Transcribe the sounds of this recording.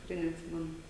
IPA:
tʲɪkˈrɐɪ nʲɛtʲˈsʲɪmʲɛnʊ

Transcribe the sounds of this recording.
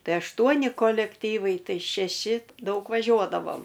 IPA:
ˈtɐɪ ɐʃˈtuɔnʲɪ koːlʲɛkˈtʲiːʋɐɪ ˈtɐɪ ʃʲɛˈʃʲɪ ˈdɐʊk ʋɐˈʒʲuɔdɐʋoːm

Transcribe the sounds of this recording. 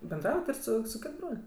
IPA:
bʲɛnˈdrɐʊjɛt ɪr ˈsʊ sʊ ˈkʲɪt ˈbroːlʲ

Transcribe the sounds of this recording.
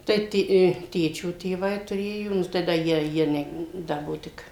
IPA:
ˈtɐɪ tʲɪ ɪ ˈtʲeːt͡ʃʲoː tʲeːˈʋɐɪ tʊˈrʲeːjoː ˈnʊ tɐɪ ˈdɐ ˈjiɛ ˈjiɛ nʲɛ ˈdɐ ˈbuɔ ˈtʲɪk

